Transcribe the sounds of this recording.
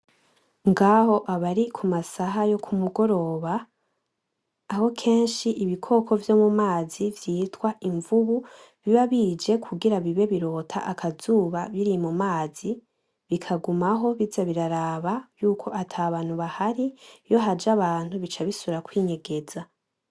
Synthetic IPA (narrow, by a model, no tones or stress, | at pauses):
ŋɡaho̞ʔaβaɾikʰumasaɦajo̞kʰumuɡo̞ɾo̞ːβa | ho̞kʰe̞ːnʃiʔiβikʰo̞kʰo̞vjo̞mumaːzivjiːtwaʔiɱvuβu | βiβaβid͡ʒe̞kʰuɡiɾaβiβe̞βiɾo̞ːtʰa̰ʔakʰazuːβaβiɾimumaːzi | βikʰaɡumaɦo̞βizaβiɾaɾaβaβjuːkʰo̞ʔatʰaːβaːn̥huβahaɾijo̞ɦad͡ʒaβaːn̥huβit͡ʃaβisuɾakwiːɲe̞ɡe̞za